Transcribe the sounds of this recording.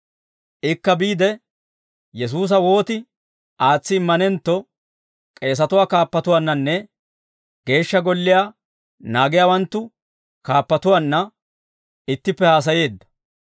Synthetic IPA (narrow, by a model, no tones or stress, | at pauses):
ʔɪkːɐbiːd̪ɛ | jɛs̬uːs̬ɐwo̞ːt̪ɪ | ʔaːt͡sːɪːmːɐnɛnt̪ːɔ | kʼe̞ːs̬ɐt̪ʊwaːkaːpːɐt̪ʊwaːnːɐnːɛ | ɡ̥e̞ːʃːɐɡɔlːɪjaː | naːɡɪjaːwɐnt̪ːʊ | kaːpːɐt̪ʊwaːnːɐ | ɪt̪ːɪpːɛhaːs̬ɐje̞ːd̪ːɐ̥